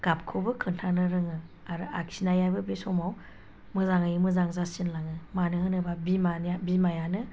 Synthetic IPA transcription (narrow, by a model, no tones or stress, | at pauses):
ɡ̥ap̚kʰobɯkʰɯntʰanɯɾɯŋɯ | aɾɯaksinajajbɯbesɔmaw | mɯzaŋajɯmɯzaŋzasinlaŋɯmanɯhɯnɯbabimanabimajanɯ